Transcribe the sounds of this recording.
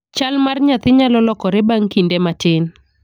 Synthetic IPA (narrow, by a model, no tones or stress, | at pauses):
t͡ʃalmarɲat̪ɪɲalɔlɔkɔɾɛbaŋkindematɪn